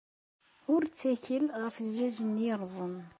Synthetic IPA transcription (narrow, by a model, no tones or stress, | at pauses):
ʊɾt͡sːæçəlʁəfzʒæʒənːiɾˤzˤən